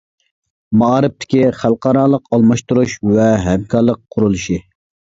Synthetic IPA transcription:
mɑɑːɾɨp̚t̪ʰɪ̥kʲiχælˠqʰɑːɾɑːlˠəqɑlˠmɑʃt̪uɾuʃwɛɦɛmkʰɑɾlˠəq̚ʰːʊɾulˠuʃi

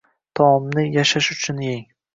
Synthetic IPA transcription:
t̪ʰɒmnɪjaʃaʃʊt͡ʃʰʊnjeŋ

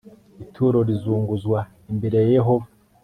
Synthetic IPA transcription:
itʰuːɾo̞ɾizuːŋɡuzɡwa | imbe̞ɾe̞jjeɦova

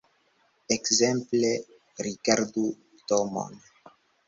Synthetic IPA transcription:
ekzemple | ɾikaɾd̪u | t̪omo̰n

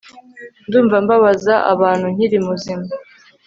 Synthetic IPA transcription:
nduːɱvambaβazaʔa̰βaːn̥huɲ̥iɾimuzima

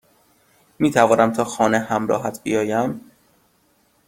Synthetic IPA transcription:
miːt̪ʰævɒːnæmt̪ʰɒːxɒːnehæmɾɒ̰ːɦæt̪ʰbḭjɒːjæm

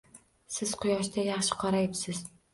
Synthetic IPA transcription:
sɪz̥qʰʊjɒʃd̪ajɑχʃɪ̥qʰɑɾajɪpsɪz̥

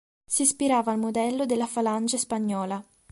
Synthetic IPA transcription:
sispiɾaːvaːlmod̪ɛlːod̪elːafaland͡ʒaspaɲːɔːla

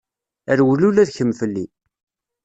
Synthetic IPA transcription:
əɾwlulæðçəmːfəlːi

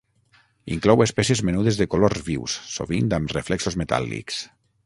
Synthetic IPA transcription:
ḭŋklɔwespɛsiezmenuð̞ezðekolozβiwsːo̰βind̪amreflɛksozmet̪a̰lˠḭks

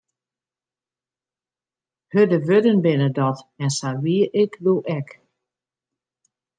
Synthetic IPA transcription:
hødəʋødənbɪnədɔtɛnsaʋiəʔɪkdoʔɛk

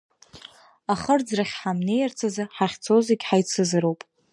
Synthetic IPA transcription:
aχərd͡zraχʲħamne̞jart͡sʰazaħaχʲt͡sʰoziɡʲħajt͡sʰɨzɨɾowpʼ

